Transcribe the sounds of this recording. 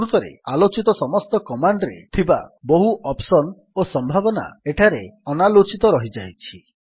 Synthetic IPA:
ɾut̪ɔɾḛalot͡ʃit̪ɔsɔmɔst̪ɔkɔmaɳɖɾḛt̪ʰiba̰bɔɦuʔɔpsɔn | osɔmbʱabɔna̰eʈʰaɾeɔnalot͡ʃit̪ɔɾɔɦid͡ʒajt͡ʃʰi

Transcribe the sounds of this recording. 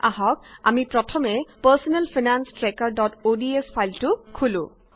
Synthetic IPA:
ʔaɦɔk̚a̰mipɹɔtʰɔmɛpasɔnɛlpʰinanstɹɛkaɹdɔtodiespʰajltʊkʰulʊ̰̃

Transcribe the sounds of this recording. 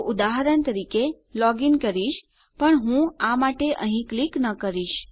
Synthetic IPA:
ʔud̪aɦaɾənt̪əɾike | lɔɡinkəɾiʃ | pəɳɦũamaʈeʔəɦĩkliknəkəɾiʃ

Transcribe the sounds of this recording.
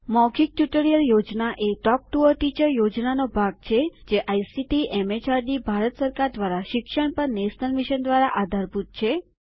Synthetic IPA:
mɔɡik̚ʈjuʈəɾijəljod͡ʒnaʔeʈɔp̚ʈuəɾʈit͡ʃəɾjod͡ʒnanobʱaɡ̚t͡ʃʰed͡ʒeʔajsiʈiʔɛmet͡ʃaɾɖibʱaɾət̪səɾkaɾd̪ʋaɾaʃɪkʃəɳ̃pəɾnest̪ənmiʃənd̪ʋaɾaʔad̪ʱaɾput̪̚t͡ʃʰe

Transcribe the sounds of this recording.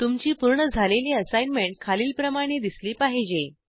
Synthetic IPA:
t̪umt͡ɕiːpuɾɳəd͡zʱaleliːəsajnmeɳʈ̚kʰaliːlpɾəmaɽ̃ed̪isliːpaɦid͡ʑe

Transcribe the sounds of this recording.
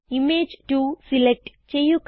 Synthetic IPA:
imeːd͡ʒʈusilek̚ʈ | t͡ʃejːuk

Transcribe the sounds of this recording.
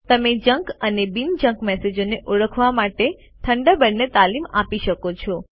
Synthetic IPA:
t̪əmed͡ʒəŋkənebind͡ʒə̃ŋkmɛsed͡ʒoneʔoɭəkʰʋamaʈe | t̪ʰəɳɖəbənːet̪alimapiʃəkot͡ʃʰɔ

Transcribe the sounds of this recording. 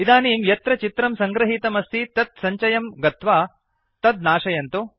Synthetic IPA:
id̪aːniːmjɐt̪ɾɐt͡ʃit̪ɾɐmsɐŋɡɾɐɦit̪ɐmɐst̪it̪ɐt̪̚sɐɲt͡ʃɐjɐmɡɐt̪ʋaː | t̪ɐd̪naːʂɐjɐnt̪u

